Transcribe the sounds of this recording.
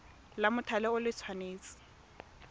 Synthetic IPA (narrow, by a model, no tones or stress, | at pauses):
lamʊtʰalɛʊlɪt͡sʰwaneːt͡sʼɪ̥